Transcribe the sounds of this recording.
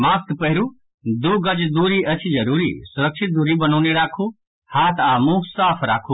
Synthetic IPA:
maːskpəɦɾu | d̪uɡəd͡ʒd̪uːɾiət͡ʃʰid͡ʒəɾuːɾḭsʊɾəkt͡ʃʰɪt̪̚d̪uːɾibənɔːneɾaːkʰuː | haːt̪ʰaːmusaːpʰɾa̰ːkʰu

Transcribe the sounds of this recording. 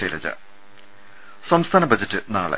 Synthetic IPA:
ɐjlɐ̰d͡ʑɐ̰ | sɐmst̪ʰaːnɐbɐd͡ʑɐtːɨnaːɭɐ̰

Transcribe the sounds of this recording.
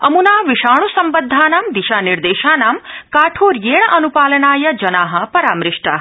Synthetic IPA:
ɐmunaːʋiʃaːɳ̃usɐmbɐd̪ʱːaːnaːmd̪iʃaːniɾd̪eːʃaːnaːmkaːʈʰoːɾjeːɳ̃ɐʔɐnupaːlɐnaːjɐd͡ʒɐnaːɦɐ̆pɐɾa̰ːmɾɪʂʈa̰ː

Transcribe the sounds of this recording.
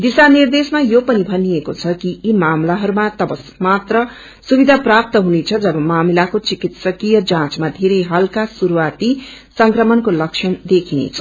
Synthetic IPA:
d̪isanird̪esmajopʌnibʱʌnijekot͡sʰʌkiːmamlaɦʌɾumat̪ʌbʌsmat̪rʌ | subid̪ʱaprap̚t̪ʌɦunet͡sʰʌd͡zʌbʌmamilakot͡sikit̪sʌkijʌd͡zãt͡smad̪ʱeɾʌjɦʌlkasuɾuwat̪isʌŋkrʌmʌnkolʌkʂʰʌnd̪ekʰinḛt͡sʰʌ̥

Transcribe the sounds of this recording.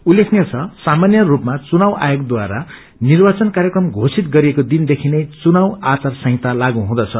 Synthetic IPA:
ulːekʰnjet͡sʰʌsamanjʌrupmat͡sunawʔa̰joɡd̪waɾa | nirbat͡sʌnkarɾjekrʌmɡʱosit̪ɡʌɾiekod̪ind̪ekʰinejt͡sunawat͡sarsʌ̃ɦĩt̪alaɡũɦũd̪ʌt͡sʰʌ

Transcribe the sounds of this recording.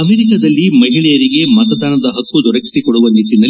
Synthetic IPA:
ɐmeːɾikɐd̪ɐlːimɐɦiɭɛjɐɾiɡe̞mɐt̪ɐd̪aːnɐd̪ɐɦɐk̪ːud̪ʱɔɾɐki̥sikɔɽuʋɐnd̪it̪ːind̪ɐl

